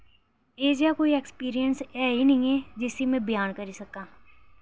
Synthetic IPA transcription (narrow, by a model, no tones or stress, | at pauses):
eːd͡ʒjakoːiekspiːɾijənsɛːɦinɐɦĩɦɛd͡ʒɪsimẽbɪjaːnkɐɾisɐkaː